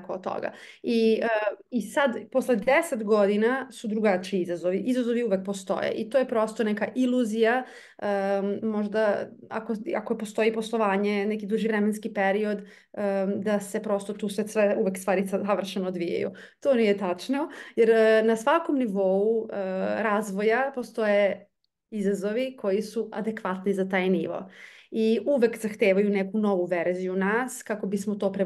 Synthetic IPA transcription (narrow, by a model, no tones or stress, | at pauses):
koo̰t̪ːo̰ɡa̰ | iəisad̪poslˠed̪eset̪ɡo̞d̪inasud̪ɾuɡat͡ʃiiizazoʋiʔizazoʋiuʋek̚post̪o̞̰jḛʔit̪ojepɾo̞st̪onɛkaʔilˠuzija | əmoʒd̪a | a̰koa̰koepo̞st̪o̞ipo̞st̪oʋaːɲe̞nɛkid̪uʒiʋɾɛmenskipeɾio̞d̪ | əd̪ase̞pɾo̞st̪ot̪uːsʋesʋeuʋekst̪ʋaːɾiaʋr̩ʃenoːd̪ʋija̰jṵ | t̪oːnijet̪at͡ʃnojeɾnasʋakomniʋo̞uəɾaːzʋo̞japost̪o̞je | izazo̞ʋikʰo̞jisua̰d̪ekʋat̪nizat̪aːjniʋo̰iuʋekzaxt̪eːʋajunekuno̞ʋuʋeɾzijunaːskako̞bismot̪o̞ːpɾe